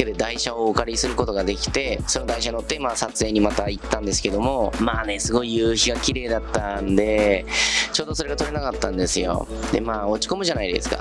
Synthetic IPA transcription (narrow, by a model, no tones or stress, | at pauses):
ed̪ed̪aiɕaokaɾʲisɨɾɯ̟ko̞t̪o̞ɡad̪e̞kʲi̥t̪e̞so̞nod̪aiɕaɲiot̪ːe̞maːsat͡sɨe̞ːɲ̟imat̪ait̪ːãnd̪e̞sɨ̥ke̞d̪o̞mo̞maːne̞sɨɡo̞ijɯ̟ːçiɡakʲiɾe̞ːd̪at̪ːand̪e̞ | t͡ɕo̞ːd̪o̞so̞ɾe̞ɡat̪o̞ɾe̞nakat̪ːãnd̪e̞sɨjo̞̰ | d̪̥e̞̰maːo̞t͡ɕi̥ko̞mɯ̟ʑanaid̪e̞̰sɨ̥ka̰